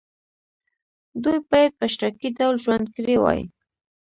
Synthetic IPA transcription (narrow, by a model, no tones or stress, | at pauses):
d̪ujpɑjad̪̚pəʃɾakidawlʒwand̪̚kɾewɑ̰jḭ